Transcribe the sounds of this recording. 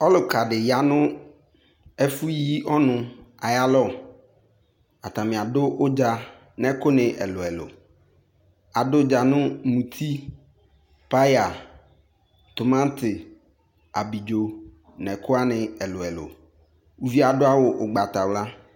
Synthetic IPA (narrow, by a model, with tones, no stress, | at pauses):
ɔ˦lʊ˨ka˨ɖɪ˨ja˨nʊ̃˦ | ɛ˦fu˦ji˦ɔ˦nʊ̃˨a˨ja˦lɔ˦ | a˨t̪a˨mɪ̃˨a˨dʊ˦ʔʊ˦d͡ʒa˨ | nɛ̃˦kʊ˦nɪ̃˨ʔɛ˨lʊ˨ɛ˨lʊ̰˨ | a˨dʊ˦d͡ʒa˨nʊ̃˦mũ˨t̪ʰi˦ | pa˦ja˨ | t̪ʊ˨mã˦n˦t̪ɪ˨ | a˨bi˨d͡ʒo˨ | nɛ̃˨kʰʊ˦a˦nɪ̃˨ɛ˨lʊ˨ɛ˨lʊ̰˨ | u˦vi˦a˨dʊ˦a˦wʊ˨ʔʊ˨ɡ͡ba˨t̪a˨wla˦